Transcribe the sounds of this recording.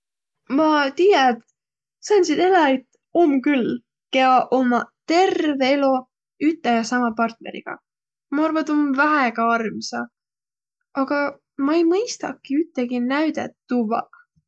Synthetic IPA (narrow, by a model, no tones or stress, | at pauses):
mɑt̪ijæt̪ | sɑnsid̪elɑet̪ː | omːkylː | keɑʔomɑt̪e̞rveelo | yt̪ːˑejɑsɑmɑpɑrt̪nḛɾḭɡ̥ɑ̰ | mɑɑrvɑt̪omvæɦeɡ̥ɑɑrmsɑ | ɑɡ̥ɑ | mɑejmɤjst̪ɑkːˑiyt̪ːˑeɡ̥inæɥd̪ḛt̪ːuvɑ̰